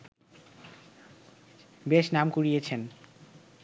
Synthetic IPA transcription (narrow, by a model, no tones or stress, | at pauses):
beʃnamkuɾijet͡ɕʰen